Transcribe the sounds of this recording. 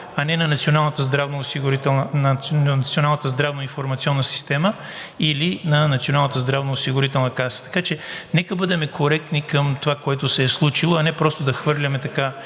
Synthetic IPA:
ɐnɛnɐnɐt̪sionalˠnət̪əzd̪ɾavnoːsiɡʊɾit̪ɛlˠnnnt̪sionalˠnət̪əzd̪ɾavnoinfoɾmɐt̪siɔnːəsi̥st̪ɛmə | ilinɐnɐt̪sionalˠnət̪əzd̪ɾavnoːsiɡʊɾit̪ɛlˠnəkasə̥t̪ɐ̥kat͡ʃɛnɛkəbɤd̪ɛmɛkʰoɾɛk̚t̪nikəmt̪ovakoɛt̪ʊsɛːslˠut͡ʃilˠoɐnɛpɾɔst̪od̪ɐxvɤɾlʲɐmɛt̪ɐka

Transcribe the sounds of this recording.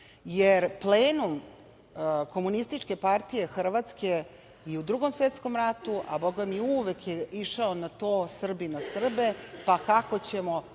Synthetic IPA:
jeɾpleːnum | ko̞munist̪it͡ʂke̞paɾt̪ije̞xr̩ʋat̪ske̞ | iud̪ɾuɡo̞msʋet̪sko̞mɾat̪uʔa̰boɡamiuʋekjeiʂaonat̪o̞ːsr̩binasr̩be̞pakakot͡ɕe̞mo

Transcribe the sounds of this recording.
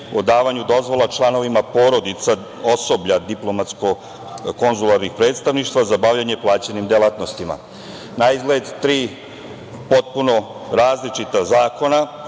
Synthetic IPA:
od̪aːʋaɲud̪o̞zʋo̞lˠat͡ʃlˠano̞ʋimapo̞ɾo̞d̪it̪sa | oso̞bʎad̪iplo̞mat̪sko̞ | ko̞nzulaɾnixpɾe̞ːt̪st̪aʋniʃt̪ʋazabaʋʎaɲeplˠaːt͡ɕenimd̪elat̪no̞st̪ima̰ | naizɡled̪t̪ɾiː | po̞t̪̚puno̞ | ɾaːzlit͡ʃit̪azaːko̞na

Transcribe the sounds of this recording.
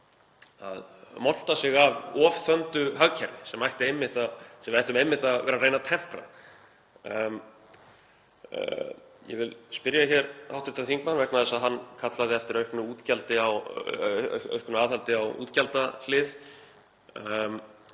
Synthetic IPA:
a̰ðmɔl̥t̪asɪɣavɔːvθœnt̪ʏɦaɣcʰɛɾnɪsɛmajht̪ɪejmːɪht̪aðsɛmvajht̪ʏmejmːɪht̪aðvɛːɾaɾreːjnat̪ʰɛm̥pɾa̰ð | m | jɛ̰vɪlspɪɾjaçɛɾa̰wht̪ɾɪ̥ht̪ːaθiŋkmanvɛknaðɛsaðɦanːkʰat̪laðɪɛft̪ɪɾœɥhknʏuːt̪calt̪ɪaw | œ̰ɥhkʏnʏaːðhalt̪ɪawṵːt̪calt̪alɪːð | m

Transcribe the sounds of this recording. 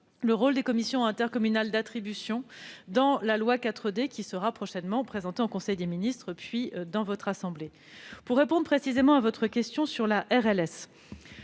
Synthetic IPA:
ləʁold̪ekɔmisjɔ̃ɛ̃t̪ɛʁkɔmynald̪at̪χibysjɔ̃d̪ɑ̃lalwakat̪χəd̪ekʲisəʁapχɔʃɛnmɑ̃pχezɑ̃t̪eõkɔ̃sɛjd̪eminist̪χəpɥid̪ɑ̃vɔt̪χasɑ̃ble | puʁːepɔ̃d̪ʁpχesizemɑ̃avɔt̪χəkʲɛst̪jɔ̃syʁlaʔɛʁɛlɛs

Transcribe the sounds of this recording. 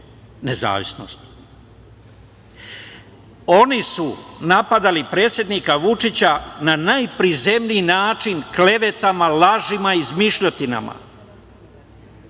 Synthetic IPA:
neza̰ːʋisno̰st̪ | o̞nisunapad̪alipɾe̞ːt̪sje̞d̪nikaʋut͡ʂit͡ɕananajpɾize̞mniːnaːt͡ʃinkle̞ʋe̞t̪amalaʒimaizmiʃʎot̪ina̰ma̰

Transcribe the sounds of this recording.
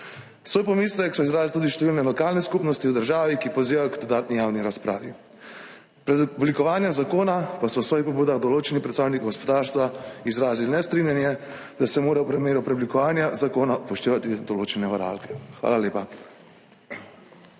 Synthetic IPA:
sʋoːjpɔmislɛksɔizɾaːzilt̪ud̪iʃt̪ɛʋilnɛlɔkaːlnɛskupnɔst̪iwd̪əɾʒaːʋikipɔziːʋajɔɡd̪ɔd̪aːt̪nijawniɾaspɾa̰ːʋḭ | pɾɛd̪blikɔʋaːnjɛmzakoːnapasɔwsʋɔːjixpɔbuːd̪aɣd̪ɔloːt͡ʃɛnipɾɛt̪saːwnikiɡɔspɔd̪aːɾst̪ʋaizɾaːzilnɛst̪ɾinjanjɛ | d̪asɛmoːɾawpɾɛmeːɾupɾɛblikɔʋaːnjazakoːnapɔʃt̪eːʋat̪id̪ɔloːt͡ʃɛnɛʋaɾa̰ːlkɛ̥xʋa̰ːlaljeːpa

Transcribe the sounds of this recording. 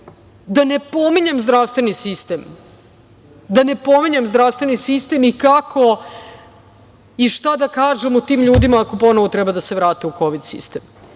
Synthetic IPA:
d̪ane̞po̞miɲemzd̪ɾaʋst̪vʋe̞nisist̪em | d̪ane̞po̞miɲemzd̪ɾaʋst̪vʋe̞nisist̪emikakʰo̞ | iʃt̪ad̪akaːʒemut̪iːmʎuːd̪imaːko̞po̞noʋot̪ɾɛbad̪aseʋɾaːt̪euko̞ʋid̪sḭst̪em

